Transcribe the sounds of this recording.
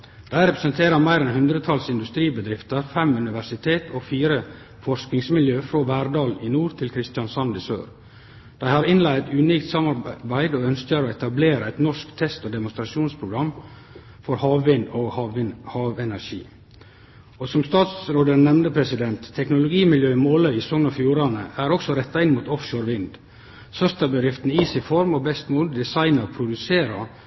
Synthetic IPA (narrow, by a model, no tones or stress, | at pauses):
d̪̥æɪɾɛpɾəsənt̪ʰeːɾəmæɪɾɛnhʉnd̪ɾət̪ʰɑlsɪnd̪ʉst̪ɾiːbəd̪ɾɪft̪əɾfɛmʉnɪʋæʂɪt̪ʰeːt̪ʰoːfiːɾə | fɔɾʂknɪŋsmɪljøːfɾoːʋæːɾɖ̪ɑːlinuːɾt̪ʰɪlkʰɾɪst̪jɑnsɑnd̪ɪsø̰ːɾ | d̪̥æɪhɑɾɪnlæɪɛt̪ʉːniːkt̪sɑmɑɾbæɪd̪oːœnskəɾoːɛt̪ɑbleːɾəɛɪt̪nɔʂkt̪ʰɛst̪oːd̪ɛmʊnst̪ɾɑʃuːnspʰɾʊɡɾɑmː | fɔɾhɑːʋʋɪnd̪oːhɑhɑːʋɛnæʂḭː | osɔmst̪ɑːt̪sɾoːd̪ənɛmnəpʰɾɛsɪd̪ɛnt̪ʰːɛknʊlʊɡiːmɪljøːɪmoːləɪsɔŋnɑfjuːɾɑnə̰æɾɔksɔɾɛt̪ːɑɪnmuːt̪ɔfʃoːɾʋɪnd̪ | sœst̪ɑbəd̪ɾɪft̪niːsɪfɔɾmoːbɛst̪moːld̪d̪ɪsɑɪnəɾpʰɾʊd̪ʉseːɾɑ